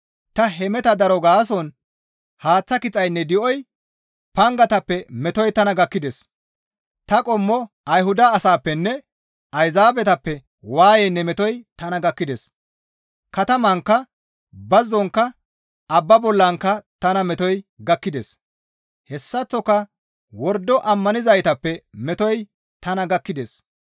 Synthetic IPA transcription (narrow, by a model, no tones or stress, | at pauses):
t̪ɐɦɛmɛt̪ɐd̪ɐɾɔɡaːs̬ɔn | haːt͡sːɐkɪt͡sʼɐjnːɛd̪ɪʔɔj | pɐŋɡɐt̪ɐpːɛmɛt̪ɔjt̪ɐnɐɡɐkːɪd̪ɛs | t̪ɐkʼɔmːɔ | ɐjɦʊd̪ɐːsaːpːɛnːɛ | ɐjzaːbɛt̪ɐpːɛ | waːjɛnːɛmɛt̪ɔjt̪ɐnɐɡɐkːɪd̪es | kɐt̪ɐmɐŋkːɐ | bɐzːɔŋkːɐ | ɐbːɐbɔlːɐŋkːɐt̪ɐnɐmɛt̪ɔjɡɐkːɪd̪es | hɛsːɐt͡sːɔkːɐ | wɔɾd̪ːɔʔɐmːɐnɪzɐjt̪ɐpːɛmɛt̪ɔj | t̪ɐnɐɡɐkːɪd̪es